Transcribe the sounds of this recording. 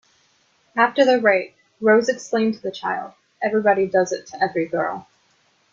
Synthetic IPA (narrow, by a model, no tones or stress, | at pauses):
æftə˞ðɨɹaɪt̚ | ɹoʊzɨksklẽɪ̃mtʰəðɨt͡ʃʰaɪlˠd̚ | ɛvɹibɑɾidʌzɨtʰəɛvɹiɡɜ̰˞lˠ